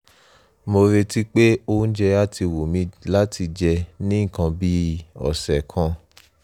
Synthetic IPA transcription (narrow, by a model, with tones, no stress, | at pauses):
mo˧ɾe˧ti˦k͡pe˦o˧˦n̩˦d͡ʒɛ˧a˦ti˧wo˨mĩ˨˧˦la˦tʰi˧d͡ʒɛ˧nĩ˦˨kã˧bi˦ɔ̰˨sɛ˨kʰã˧